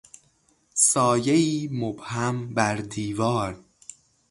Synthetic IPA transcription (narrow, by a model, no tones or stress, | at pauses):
sɒːjeiːmobhæmbæɾd̪iːvɒːɾ